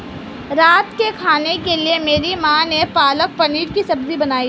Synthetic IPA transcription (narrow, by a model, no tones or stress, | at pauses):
ɾaːt̪kekʰaːnekeliemeːɾimãːnepaːlək̚pɐniːɾkisɐbzibɐnaːi